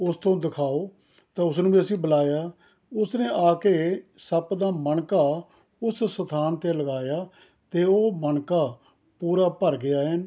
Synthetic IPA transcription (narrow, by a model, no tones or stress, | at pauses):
ʊst̪õːd̪ɪkʰaːoː | t̪ãːʊsnũːbiːəsĩːbəlaːjaː | ʊsneːʔaːkeːsəpd̪aːməɳkaː | ʊssət̪ʰaːnt̪eːləɡaːjaː | t̪eːoːməɳkaː | puːɾaːpəɾɡɪjaːɦən